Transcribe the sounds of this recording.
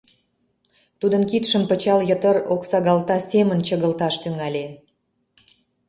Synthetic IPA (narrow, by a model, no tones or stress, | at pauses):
t̪ud̪ənkit̪ʃəmpət͡ɕɑljət̪əɾoksɑɣɑlt̪ɑsʲemənt͡ɕəɣəlt̪ɑʃt̪yŋɑlʲe